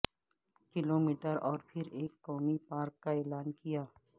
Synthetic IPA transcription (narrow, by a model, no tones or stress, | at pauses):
kɪloːmiːʈəɾɔːɾpʰɪɾeːkːɔːmipaːɾkːaeːlaːnkijaː